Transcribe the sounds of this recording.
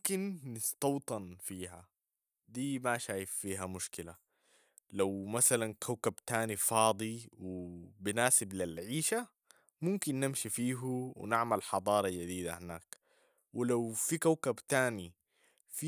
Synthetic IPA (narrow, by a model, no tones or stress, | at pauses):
kɪnːɪst̪ɑwt̪ˤɑnfiːɦa | d̪iːmaʃaːjɪfːiːɦamʊʃkɪla | lawmasalankʰawkabt̪aːnifɑːd̪ˤiwɪbɪnaːsɪblilʕiːʃa | mʊmkinːɪmʃifiːɦuwɪ̰naʕmalħɑd̪ˤɑːɾˤɑd͡ʒad̪iːd̪a̰hɪnaːk | wɪlawfikawkabt̪aːni | f